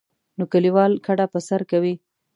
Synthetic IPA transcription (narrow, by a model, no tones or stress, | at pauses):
nokəliwɑlkʰaɽapəsaɾkawi